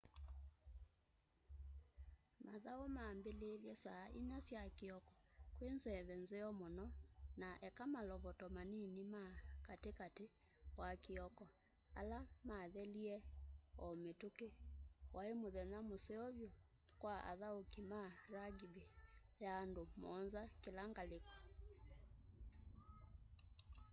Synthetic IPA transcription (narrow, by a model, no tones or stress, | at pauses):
maðaomaːmbeleljɛsaʔinasjakeɔkɔ̥kwenzɛβɛnzeɔmonɔnaʔɛkamalɔβɔtɔmaninimakatekate | wakeɔkɔ | a̰lamaðɛliɛɔmetokewʔaemoðɛnamosɛɔβjo | kwaa̰ðaokimaɾaɡibejaːndomɔ̰nzakelaŋɡalekḁ